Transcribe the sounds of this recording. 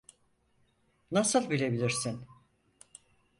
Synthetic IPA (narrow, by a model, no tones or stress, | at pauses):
nasɯlˠbilʲe̞bilʲiɾsin